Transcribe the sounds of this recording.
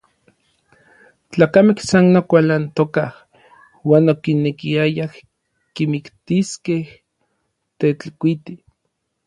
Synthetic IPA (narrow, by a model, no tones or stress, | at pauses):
t͡ɬaːkamehsanːokʷalant̪okah | waːnokinekiajah | kimikt̪iskeh | t̪et͡ɬkʷit̪i